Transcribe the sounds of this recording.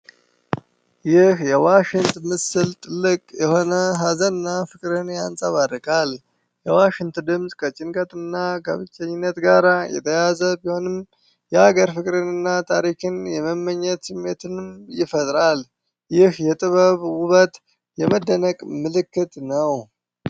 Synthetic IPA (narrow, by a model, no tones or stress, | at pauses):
jɪhjɛwaʃɪnt̪mɨsɨlt̪ʼɨlːɨkʼjɛho̞nəɦazənːafɨkʼɾɨnjansʼaβaɾkʼal | jɛwaʃɪŋt̪d̪ɨmsʼkʰət͡ʃʼɪnkʼət̪ʼɨnːakʰə̰βɨt͡ʃʼːəɲːɪnːət̪ɡaɾajɛ̰t̪ʰəjazəbiho̞nɨm | jɛaɡəɾfɨkʼɾɨnɨnːat̪ʰaɾikʰɨnjɛməmːəɲːət̪sɨmːet̪ʰɨnmjɪfət̪ʼɾal | jɪhjɛt̪ʼɨβəβwʊβət̪ | jɛməd̪ːənəkʼmɨlɨkːɨt̪ʼnəw